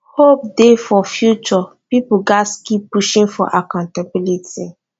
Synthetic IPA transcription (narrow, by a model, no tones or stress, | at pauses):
hop̚defɔfjut͡ʃɔ | pipʊɡaskipːuʃĩŋfɔ̰ʔakãntabilitʰi